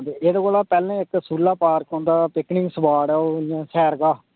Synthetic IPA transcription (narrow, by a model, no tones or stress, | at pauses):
t̪eeːd̪aːkoːlaːpɛːlẽːɪksuːlːaːpaːɾkõːnd̪aːpɪknɪ̃ŋɡsbaːɽɛoːjãːsʰɛːɾɡaː